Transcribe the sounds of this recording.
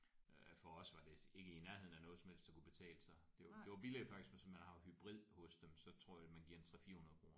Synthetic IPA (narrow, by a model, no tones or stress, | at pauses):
fɒ̽ɒ̽sʋɑ̈d̥e̝e̝ɡ̥əinæɐɦe̝ð̞̰ˠn̩ænɔ̽ːð̞ˠsɒmhḛl̰sd̥ɑkʰub̥e̝t͡sʰɛ̰ːləsɑ̈ɪd̥e̝d̥e̝ʋɑ̈b̥ile̥fɑ̈ɡ̥isɡ̥mensɒmænhɑ̈hyb̥ʁið̞̰ˠhɔ̽sd̥emsɒ̽t͡sʰʁo̝ɐ̰jmænɡiɐ̰ent͡sʰʁɛfiːɐhunɐð̞̩ˠɡ̥ʰʁo̝ːɐ